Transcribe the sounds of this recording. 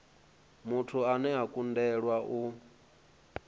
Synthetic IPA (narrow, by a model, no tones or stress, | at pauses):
mutʰuanɛakʼundɛɺwaʔu